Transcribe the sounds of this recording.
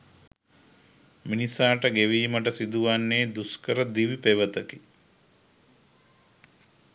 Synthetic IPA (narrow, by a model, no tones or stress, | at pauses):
minisaːʈəɡeʋiːməʈ̬əsid̪uʋanːeːd̪uskəɾəd̪iʋipeʋət̪əki